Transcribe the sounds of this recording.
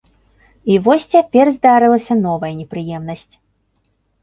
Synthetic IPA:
ivɔsʲt͡sʲapʲɛrzd̪aɾɨlˠɐsʲɐnɔvɐjɐnʲɛpɾɨjɛmn̪ɐsʲt͡sʲ

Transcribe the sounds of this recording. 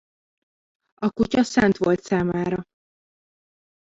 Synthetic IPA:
ɒkucɒsɛnt̪ʋo̞lt̪saːmaːɾɒ

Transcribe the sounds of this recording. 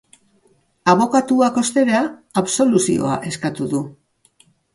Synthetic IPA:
aβo̞kat̪uako̞st̪e̞ɾeaːβso̞lusḭo̞̰a̰ʔe̞skat̪uðu

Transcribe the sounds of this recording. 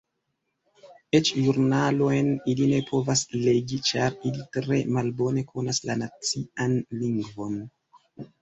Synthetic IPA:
e̞t͡ʃʒuɾnalo̞jniline̞pʰo̞vasle̞ɡit͡ʃaɾilitɾe̞̰malbo̞ne̞kʰo̞naslanat͡sianliŋɡvo̞n

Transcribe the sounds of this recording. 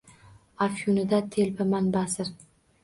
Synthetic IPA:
afjunɪd̪at̪ʰelbɪmanbasɪɾ

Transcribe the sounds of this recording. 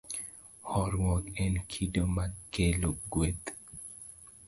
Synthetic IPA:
hɔɾwɔkɛnkʰidomakeloɡwet̪

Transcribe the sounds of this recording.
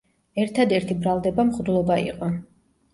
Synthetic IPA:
ɛɾt̪ʰad̪ɛɾt̪ʰibɾalˠd̪ɛbamχd̪lˠɔbaḭqʼɔ

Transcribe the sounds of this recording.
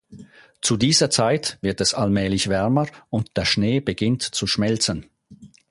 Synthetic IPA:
t͡sudiːzɐt͡saɪtv̥ɪɐtɛsalmɛːlɪçv̥ɛɐməʊntd̥eːɐʃneːbəɡɪntt͡suʃmɛlt͡sən

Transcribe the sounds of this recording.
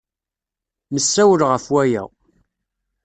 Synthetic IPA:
məsːæwəlʁəfwæjæ̰

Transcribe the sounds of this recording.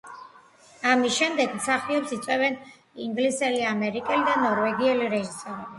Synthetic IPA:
amisʃɛmd̪ɛɡmsaχiɔpsit̪sʼwɛvɛn | iŋɡlisɛliamɛɾikʼɛlid̪anɔɾvɛɡiɛliɾɛʒisɔɾɛbi

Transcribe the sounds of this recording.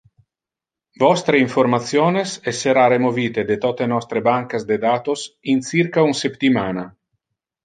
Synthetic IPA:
vɔst̪ɾeiɱfoɾmat̪sjoːnesɛsːeɾaɾemoviːt̪ed̪et̪ɔt̪enɔst̪ɾebaŋkasd̪ed̪aːt̪osinsiɾkaunsept̪imaːna

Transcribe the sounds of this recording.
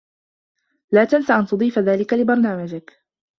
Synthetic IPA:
laːt̪ansaʔant̪ʊd̪ˤiːfaðaːlɪkalɪbɑɾˤnaːmad͡ʒɪk

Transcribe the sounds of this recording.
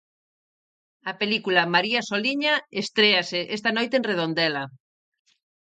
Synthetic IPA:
ɐpelikulamaɾiasoliɲaest̪ɾeaseʔest̪anojt̪enreð̞ond̪ɛla

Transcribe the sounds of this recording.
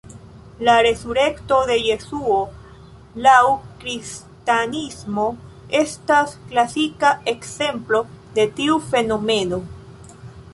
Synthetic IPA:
laɾe̞suɾe̞kto̞de̞je̞suo̞ | lawkɾis | tanismo̞ | e̞stasklasikaʔe̞kse̞mplo̞de̞tiufe̞no̞me̞no̞

